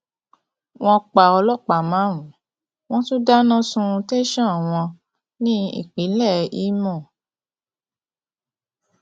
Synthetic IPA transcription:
w̃ɔ̃˧k͡pa˨ɔ˧lɔ˦˨k͡pa˨mã˨˦ɾ̃ũ˨˦ | w̃ɔ̃˦tu˦da˦nã˦sũ˧te˦ʃã˦˨w̃ɔ̃˧ | nĩ˦ḭ˦˨k͡pi˨˦lɛ˦˨i˨˦mɔ̃˦˨

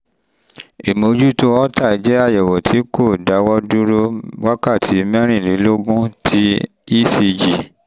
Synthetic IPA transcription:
e˨mo˨˧˦d͡ʒu˦to˦ɔ˦ta˦˨i˨˧d͡ʒɛ˦a˦˨jɛ˨wɔ˨tʰi˨˦ko˦˨da˨˦wɔ˦dũ˦ɾo˦wa˦ka˦˨tʰi˨˦mɛ̃˦ɾ̃ĩ˦˨li˨˦lo˦ɡũ˦tʰi˦ | i˦˨si˧d͡ʒi˨

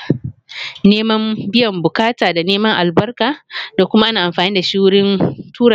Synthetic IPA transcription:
neː˦mɐ˦mbɪ˦jɐ˨mbʊ˨kaː˦taː˨da˨neː˦mɐ˦ŋʔa˨lbɐ˦rkaː˨da˨kʷʊ˦ma˦ʔa˦naː˨ʔa˨mɸaː˨niː˦da˨ʃi˦wɽɪ˦ntʰuː˦ɾ

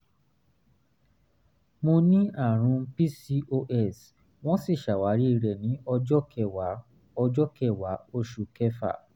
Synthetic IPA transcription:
mo˧nĩ˦a˦˨ɾ̃ũ˧pi˦si˦ʔo˧ʔɛ˦˨s | w̃ɔ̃˦si˦˨ʃa˨wa˨˦ɾi˦˧ɾɛ˨nĩ˨˦ɔ˧ɔ˦ɛ˦˨ | ɔ˧d͡ʒɔ˦kɛ˦˨wa˨˦o˧ʃu˨kɛ˦fa̰˦˨

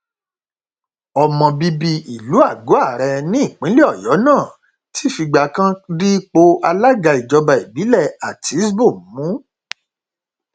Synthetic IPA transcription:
ɔ˧mɔ̃˧bi˧bi˧i˨lu˨˦a˦˨ɡo˨˦a˦˨ɾɛ˧nĩ˦i˦˨k͡pĩ˨˦le˦ɔ˦˨jɔ˨˦nãː˦˨ | ti̥˦˨fi˧ɡ͡ba˧˨kã˦di˦k͡po˧ʔa˧la˦ɡa˧i˨d͡ʒɔ˧ba˧i˨bi˨˦lɛ˦˨a˨tʰi˨˦sbo˦˨mũ˨˦

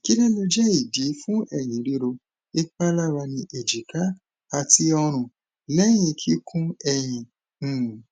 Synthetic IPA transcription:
ki˦dɛ˦lo˧d͡ʒɛ˦i˦˨di˨˦fũ˦ʔɛ˦˨j̃ĩ˨˦ɾi˧˦ɾo˧ | e˦k͡pa˦la˦ɾa˧nĩ˧ʔe˨d͡ʒi˨ka˨˦ | a˧ti˦ɔ˧ɾ̃ũ˨ | lɛ˦j̃ĩ˧kʰi˦kʰũ˦ɛ˦˨j̃ĩ˧˦˨

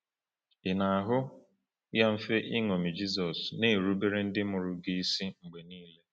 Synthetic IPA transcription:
ɪ˨na˨a˨ɦʊ˦ | ja˦m̩˦fe˦ʔɪ˦ŋo˨mi˨d͡ʒi˦sɔ˨sne˦˨ɾu˦be˦ɾe˦n̩˦dɪ˦mʊ˨ɾʊ˦ɡi˦si˦ŋ͡m̩˨ɡ͡be˨niː˦le˦

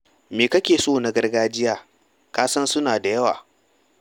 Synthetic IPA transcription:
meː˨kɐ˦kʲeː˨soː˦˨na˨ɡɐ˦rɡaː˦d͡ʒɪ˦jaː˦ | kaː˦sɐ˦nsʊ˦naː˨da˨jɐ˦wa̰ː˨

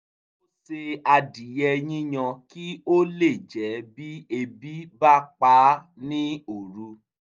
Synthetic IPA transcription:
o˦se˧a˧di˨jɛ˧ɲĩ˦ɲ̃ã˧ki˦o˦le˦˨d͡ʒɛ˨˦bi˦e˧bi˦ba˦k͡pa˨˦ | nĩ˦o˨ɾu˧˦

